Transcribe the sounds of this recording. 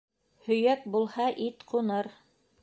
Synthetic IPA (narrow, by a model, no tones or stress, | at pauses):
hɵ̆jæk̚bulˠhɑʔit̪qunɤɾ